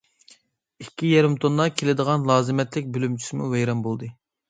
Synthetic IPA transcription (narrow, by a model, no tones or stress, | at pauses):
ikʲːijɛɾɪmt̪ʰonːɑkʲʰelɪd̪əʁɑnlˠɑːzɨmɛt̪lɪk̚ʲbylymt͡ʃʰy̥sɪmṵvɛjɾɑmbolˠd̪ɨ